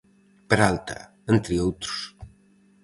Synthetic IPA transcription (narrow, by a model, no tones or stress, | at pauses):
pəɾalt̪a̰ | ent̪ɾiowt̪ɾu̥s